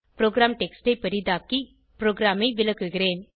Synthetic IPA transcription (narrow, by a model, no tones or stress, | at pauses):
pɾoːɡɾaːmʈɛksʈɐɪpɐɾid̪aːkːi | pɾoːɡɾaːmɐɪʋɪlɐkːɯɣɪɾeːn